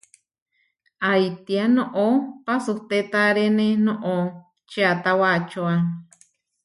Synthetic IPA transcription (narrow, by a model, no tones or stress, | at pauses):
ajt̪ianõʔopasuht̪et̪aɾenenõʔo | t͡ʃeat̪awat͡ʃoa